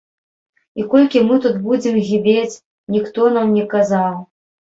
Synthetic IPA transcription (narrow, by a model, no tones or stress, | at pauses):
ikɔlʲkʲimɨt̪ut̪bud͡zʲimɣʲibʲet͡sʲ | nʲixt̪ɔnamnʲɛkazaw